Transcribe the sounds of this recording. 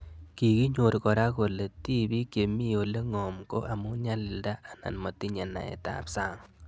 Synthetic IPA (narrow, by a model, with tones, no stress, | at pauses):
ki˨ki˦ɲo˨ɾkɔ˨ɾa˦ko˨le˨ti˦bi˦kje˨mi˦o˨le˦ŋɔ˨mko̰˦ʔa˨mu˦ɲa˦li˨lda˦a˨na̰˨nmo˨ti˦ɲa˨na̰˨ɛ̰˨ta̰˨psa˦ŋ